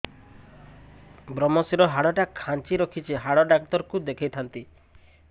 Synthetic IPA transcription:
bɾɔmɔsiɾɔɦaɽɔʈakʰant͡ʃiɾɔkʰit͡ʃʰiɦaɽɔɖak̚t̪ɔɾkud̪ekʰit̪ʰant̪i

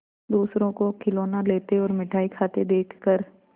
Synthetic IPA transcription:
d̪uːsɾõkokʰɪloːnaleːt̪eɔːɾmɪʈʰaːikʰaːt̪ed̪eːkʰkəɾ

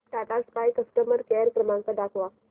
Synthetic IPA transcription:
ʈ̪akaspajkəsʈəməɾkejəɾkɾəmãŋkaɖakʰʋa

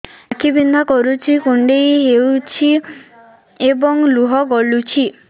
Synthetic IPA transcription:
kʰibind̪ʱakɔɾut͡ʃʰikuɳɖejɦewt͡ʃʰi | ebɔŋluɦɔɡɔlut͡ʃʰi

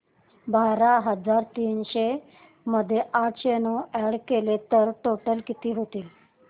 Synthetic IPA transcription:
baɾaɦəd͡zaɾt̪iːnɕe | məd̪ʱːjeʔaʈʰɕenoɛɽkelet̪əɾʈoʈəlkit̪iːɦot̪iːl

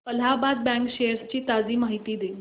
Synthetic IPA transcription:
kəl̤abad̪̚bɛ̃ŋkɕeɾst͡ɕiːt̪ad͡ziːmaɦit̪iːd̪e

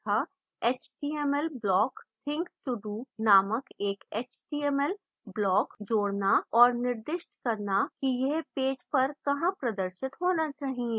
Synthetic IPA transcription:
aː | eːt͡ʃʈiɛmɛlblɔːkt̪ʰɪ̃ŋksʈuɖunaːməkeːkeːt͡ʃʈiːemɛl | blɔːkd͡ʒoːɽnaɔːɾnɪɾd̪ɪʃʈkɐɾnakijeɦpeːd͡ʒpɐɾkɐɦãpɾɐd̪əɾʃɪt̪ɦoːnat͡ʃaːɦiẽ

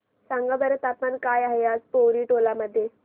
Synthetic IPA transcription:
sãŋɡabəɾət̪apənkajaɦead͡zpowɾiːʈolaməd̪ʱːje

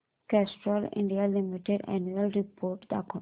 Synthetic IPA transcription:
kɛsʈɾolɪ̰̃ɳɖialɪmiʈeɖɛ̰njuəlɾipʰoːɾʈd̪a̰kɔ̃

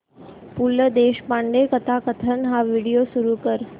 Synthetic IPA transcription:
puləd̪eːɕpãɳɖekət̪ʰakət̪ʰənɦaʋiɽijosuɾukəɾ

